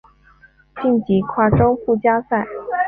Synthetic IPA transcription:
t͡ɕi˥˩nt͡ɕi˧˥kʰwa˥˩ʈ͡ʂo˥ʊfu˥˩t͡ɕja˥sa˥˩ɪ

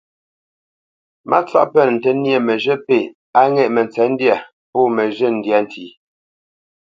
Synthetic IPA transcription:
mʔa̰˦t͡swa̰˦ʔpə˦˨n˨n̩˨tə˨˦nje˦˨mə˨ʒə˦pe˨ | a˦ŋɛ˦˨ʔmə˨n˨t͡sɛ˨˦n̩˦dja˦˨ | pɔː˦˨mə˨ʒə˦˨n̩˨dja˦n˨tʰiː˨˦

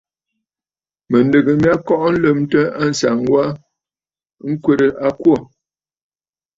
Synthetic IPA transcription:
mə˨ndə˨ɡə˨mja˦kɔ˦ʔn̩˦lə˦˨mtə˦a˦˨n̩˨sa˨ŋwa˦ | ŋ̩˦kwe˦ɾə˨ʔa˦kwo˦˨

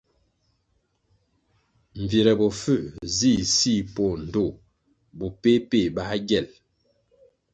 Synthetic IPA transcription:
ɱ̩˨ve˨ɾɛ˨bɔ˨fə˦˨zi˦˨si˦˨po˦˨n̩˨do˦˨ | bu˨pe˦pe˦˨ba˦ɡɛ˦˨l

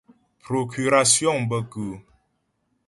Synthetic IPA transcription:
pɾo˨kʰy˨ɾa˨sjɔ̃˦˨ŋbə˦kʉ˨

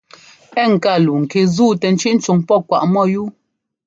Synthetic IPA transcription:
ɛ˦˨ŋ̩˨ka˦˨lu˨ŋ̩˨ke˨zuː˦˨tɛ˨n̩˦t͡ʃi˦ʔn̩˦t͡ʃu˨ŋpɔ˦˨kwa˨ʔmɔ˦˨ju˦

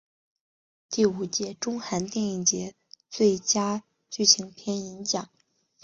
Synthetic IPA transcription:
t̪i˥˩u˨˩t͡ɕjɛ˧˥ʈ͡ʂʊ˥ŋxa˧˥nt̪jɛ˥˧ni˥˩ŋt͡ɕjɛ˧˥ | t͡swe˥˩ɪt͡ɕja˥ | t͡ɕy˥˩ɕʰi˧˥ŋpʰjɛ˥ni˧˥nɕjɑ˨˩˦ŋ

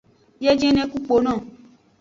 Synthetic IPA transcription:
jɛ˦d͡ʒɛ̃˦nɛ̃˦ku˦k͡po˨˦nã˦˨

